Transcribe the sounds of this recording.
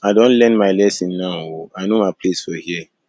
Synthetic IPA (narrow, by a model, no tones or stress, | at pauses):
aɪdɔ̃nlɛ̃nmaɪlɛsĩnːãoanomaɪpʰlesfɔhiɛ